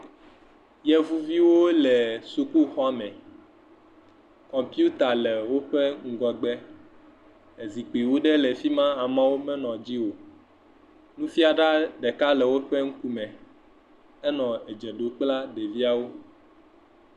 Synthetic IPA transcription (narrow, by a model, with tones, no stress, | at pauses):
jɛ˦vu˦vi˦wo˦lɛ˨su˨ku˦xɔ˦a˦mɛ̃˨ | kɔ̃˨mpi˦u˦t̪a˨lɛ˨wo˦ɸɛ˦ŋ̩˨ɡɔ˨ɡ͡bɛ˦ | e˨zi˨k͡pi˨wo˦ɖɛ˦lɛ˨fi˦mã˦a˨mã˦wo˦mɛ̃˦nɔ̃˨d͡ʑi˦wo˨ | nũ˦fi˦a˨ɖa˦ɖɛ˨ka˦lɛ˨wo˦ɸɛ˦ŋ̩˦ku˦mɛ̃˨ | ɛ˦nɔ̃˨e˨d͡ʒɛ˨ɖo˨k͡pla˦ɖe˨vi˦a˨wo˦